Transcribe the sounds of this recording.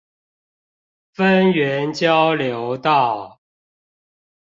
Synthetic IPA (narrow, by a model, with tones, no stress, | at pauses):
fə˦nɥɛ˨˦nt͡ɕjɑ˦ʊljo˨˦ʊt̪ɑ˥˨ʊ